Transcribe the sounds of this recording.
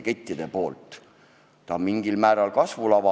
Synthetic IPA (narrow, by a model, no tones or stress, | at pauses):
ke̞t̪ːˑid̪̥e̞po̞ːlt̪ːˑ | t̪ɑmiŋɡilmæːɾɑlkɑsvulɑvɑ